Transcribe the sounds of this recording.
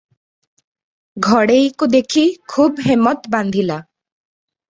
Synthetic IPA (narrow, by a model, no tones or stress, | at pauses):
ɡʱɔɽejkud̪ekʰikʰubɦemːɔt̪band̪ʱila